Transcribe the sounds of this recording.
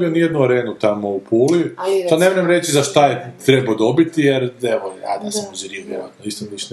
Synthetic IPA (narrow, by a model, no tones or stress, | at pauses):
ionijed̪nuaɾeːnut̪amoupʰuːlianemoɾemɾe̞t͡ʃizaʃt̪ajet̪ɾebod̪o̞bit̪ijeɾeʋoa̰d̪asamozɾieʋjeɾaat̪noist̪omlisn